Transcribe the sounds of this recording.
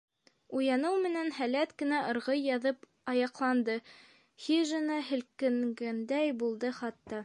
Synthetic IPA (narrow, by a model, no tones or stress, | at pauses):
ujɑnɤwmɘ̆nænhælæt̪kɘ̆næʔɤ̆ɾʁɤjːɑðɤp | ɑjɑqlˠɑnd̪ɤ | hiʒɘ̆nɑɦɘ̆lkɘ̆ŋɡænd̪æjbulˠd̪ɤχɑt̪ːɑ